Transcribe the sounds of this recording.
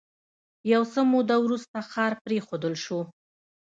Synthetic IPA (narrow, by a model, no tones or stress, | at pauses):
jawsəmod̪awɾust̪axɑɾpɾexod̪əlʃu